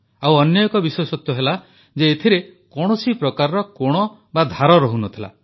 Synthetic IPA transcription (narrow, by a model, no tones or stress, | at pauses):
awɔnjɔjɔkɔbisesɔt̪jɔɦela | d͡ʒeːt̪ʰiɾekɔɽ̃ɔsipɾɔkaɾɔɾɔkoɽ̃ɔ | bad̪ʱaɾɔɾɔɦunɔt̪ʰila̰